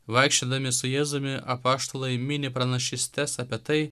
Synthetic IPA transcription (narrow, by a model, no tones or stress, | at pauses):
ʋɐɪkʃʲt͡ʃʲed̪ɐmʲɪsʊjɛːzʊmʲɪʔɐpɑːʃt̪oːlˠɐɪmʲɪnʲɪpɾɐnɐʃʲɪsʲt̪ʲɛsɐpʲiɛt̪ɐɪ